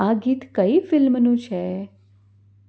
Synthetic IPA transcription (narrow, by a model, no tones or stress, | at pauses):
aɡiːt̪kəifɪlmnũt͡ʃʰe